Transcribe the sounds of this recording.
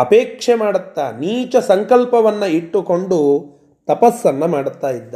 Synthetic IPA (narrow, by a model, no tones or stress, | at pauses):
ɐpeːkʂemaːɽɐt̪ːaniːt͡ʃɐsɐŋkɐlpɐʋɐnːɐiʈːuko̞ɳɖu | t̪ɐpɐsːɐnːɐmaːɽut̪ːaːjid̪ːɐ